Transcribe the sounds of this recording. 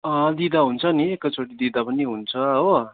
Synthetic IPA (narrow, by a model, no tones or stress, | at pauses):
ʌd̪id̪aɦunt͡sʰʌniekːʌt͡sʰoʈid̪id̪apʌniɦunt͡sʰʌɦo